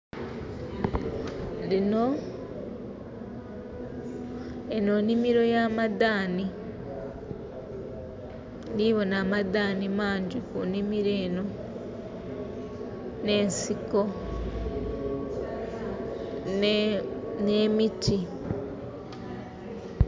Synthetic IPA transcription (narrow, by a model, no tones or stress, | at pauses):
lino̞ | eno̞nimiɾo̞jamadaːni | niβo̞naːmadaːnimaːɲɟikunimiɾe̞ːno̞ | ne̞ːnsiko̞ | neːmitʰi